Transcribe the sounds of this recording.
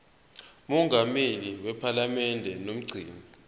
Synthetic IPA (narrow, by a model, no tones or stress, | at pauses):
mɔŋʱameliwɛpʰalamɛndʱɛnom̩ɡ͡ǀʱiːni